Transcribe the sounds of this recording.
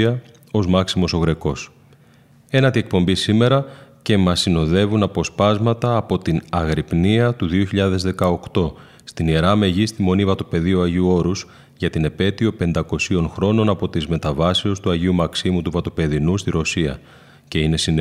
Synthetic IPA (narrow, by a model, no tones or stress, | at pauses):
ɐ | o̞zmɐksimo̞so̞ɣɾe̞ko̞s | e̞nɐt̪ie̞k̚po̞mbisime̞ɾɐce̞mɐsino̞ðe̞vunɐpo̞spɐzmɐt̪ɐːpo̞t̪inɐɣɾipniɐt̪uðio̞çiʎɐðe̞zðe̞kɐo̞kt̪o̞ | st̪inieɾɐme̞ʝist̪imo̞nivɐt̪o̞pe̞ðioɐʝiuo̞ɾus | ʝɐt̪ine̞pe̞t̪io̞pe̞nd̪ɐko̞sio̞nxɾo̞no̞nɐpo̞t̪izme̞t̪ɐvɐsiost̪uɐʝiumɐksimut̪uvɐt̪o̞pe̞ðinust̪iɾo̞siɐ̰ | ce̞ine̞sin